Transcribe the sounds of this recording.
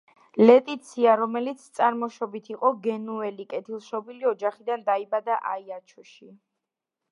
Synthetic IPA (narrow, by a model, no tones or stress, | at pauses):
lɛt̪ʼit̪sʰiaɾɔmɛlit̪sʰt̪sʼaɾmɔʃɔbit̪ʰiqʼɔɡɛnuɛlikʼɛt̪ʰilˠʃɔbiliɔd͡ʒaχid̪and̪aibad̪aʔaiat͡ʃʰɔʃi